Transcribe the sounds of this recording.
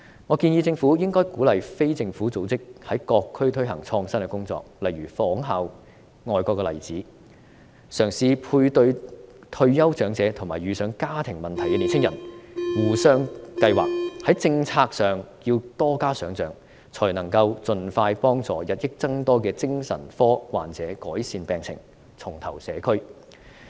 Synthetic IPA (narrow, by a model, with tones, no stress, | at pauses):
ŋɔː˨˧kiː˧njiː˧t͡sɪ˧ŋfuː˨˥jɪ˥ŋkɔː˥jkuː˨˥lɐ˨jfe˥jt͡sɪ˧ŋfuː˨˥t͡so˨˥wt͡sɪ˥k̚hɐ˨˥jkɔː˧kʰːɵ˥ɥt̪ʰɵ˥ɥɦɐ˨˩ŋt͡sʰɔː˧ŋsɐ˥nkɛː˧kʊ˥ŋt͡sɔ̰ː˧k̚lɐ˨jɥyː˨˩fɔː˨˥ŋɦaː˨˧w | ŋɔː˨˧jkɔː˧kːɛ˧lɐ̰˨˩jt͡siː˨˥ | sœː˨˩ŋsiː˧pʰuː˧jt̪ɵ˧ɥt̪ʰɵ˧ɥjɐ˥wt͡sœː˨˥ŋt͡sɛː˨˥t̪ʰʊ˨˩ŋmaː˨˩jɥyː˨˧sœː˨˥ŋkaː˥t̪ʰɪ˨˩ŋmɐ˨˩nt̪ʰɐ˨˩jkɛ˧li˨˩nt͡sʰɪ˥ŋjɐ̰˨˩nwuː˨˩sœː˧ŋkɐ˧jwa̰ː˨k̚hɐ˨˥jt͡sɪ˧ŋt͡sʰaː˧k̚sœː˨ŋjiː˧wt̪ɔː˥kaː˥sœː˨˥ŋt͡sœː˨˥ŋ | t͡sʰɔ˨˩jnɐ˨˩ŋkɐ˧wt͡sɵ˨nfaː˧jpɔː˥ŋt͡sɔː˨˧jɐ˨t̚jɪ˥k̚t͡sɐ˥ŋt̪ɔː˥kɛː˧t͡sɪ˥ŋsɐ̰˨˩nfɔː˥wa̰ː˨nt͡sɛː˨˥kɔː˨˥jsiː˧npɛː˨˧ŋt͡sʰɪ̰˨˩ŋ | t͡sʰʊ˨˩ŋt̪ʰɐ˨˩wsɛː˨˥kʰɵ˥ɥ